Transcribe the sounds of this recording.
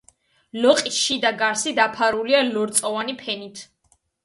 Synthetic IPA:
lɔqʼisʃid̪aɡaɾsid̪apʰaɾulialɔɾt̪sʼɔvanipʰɛnit̪ʰ

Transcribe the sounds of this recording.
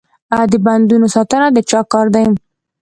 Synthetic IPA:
ad̪əband̪unosɑt̪ənad̪ət͡ʃɑkɑɾd̪ajəm

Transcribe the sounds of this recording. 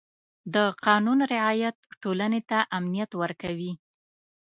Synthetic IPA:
d̪əqɑnunɾɪʕɑjat̪ʈolanet̪aʔamnijat̪wəɾkawi

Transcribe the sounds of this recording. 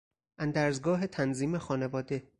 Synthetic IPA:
ʔænd̪æːɾzɡɒːɦet̪ʰænziːmexɒːnevɒːd̪e̞

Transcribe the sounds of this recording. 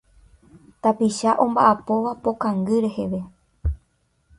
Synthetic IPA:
t̪apiʃaʔõ̞mbaʔapo̞ʋapo̞kãŋɡɨɾe̞he̞ʋe̞

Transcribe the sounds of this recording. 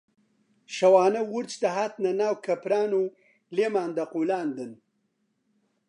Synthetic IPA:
ʃawaːnawuɾt͡ʃd̪ɐɦat̪nanaːwkɐpɾaːnu | lemaːnd̪aqulaːnd̪ən

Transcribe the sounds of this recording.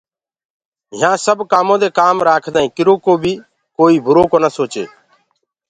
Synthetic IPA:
ɦɪãːsəbkaːmõːd̪eːkaːmɾaːkʰd̪aːĩːkɪɾoːkoːbʱiː | koːiːbʱʊɾoːkoːnəsoːt͡ʃḛː

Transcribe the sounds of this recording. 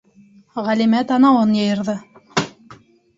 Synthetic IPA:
ʁælʲimæt̪ɑnɑwɤnjɤ̆jɤ̆ɾðɤ

